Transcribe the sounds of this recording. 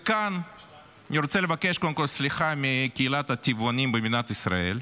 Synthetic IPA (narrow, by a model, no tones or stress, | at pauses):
kan | nʲiɾot͡selevakeʃkod̪əmkolʲsliχamʲikʲeilat̪ɐt̪ʲivonʲimbemʲinat̪isɾa̰e̞̰l